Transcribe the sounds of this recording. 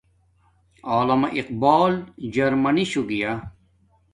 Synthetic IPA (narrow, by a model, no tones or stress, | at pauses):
aːlɐmɐʔiqbaːld͡ʑɐɾmɐniɕuɡija